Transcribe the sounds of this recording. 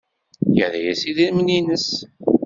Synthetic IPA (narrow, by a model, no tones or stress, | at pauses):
jə̰ðæjæsiðinmninəs